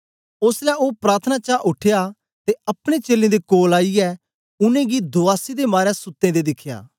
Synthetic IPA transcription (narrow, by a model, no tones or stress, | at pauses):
ʊslɛopɾaːɾt̪ʰənat͡ʃaːʔʊʈʰːeja | t̪eɐpɽ̃ẽt͡ʃeːlẽd̪ekoːlaːiɛː | ʊnẽɡid̪ʊaːsid̪emaːɾjɛsʊt̪ːẽd̪ed̪ɪkʰja̰ː